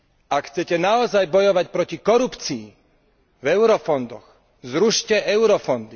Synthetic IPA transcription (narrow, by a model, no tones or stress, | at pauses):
akxt͡sɛcɛnaɔzajbɔjɔʋacpɾɔcikɔɾupt͡siː | vɛʊɾɔfɔnd̪ɔɣ | zɾuʃcɛɛʊɾɔfɔnd̪i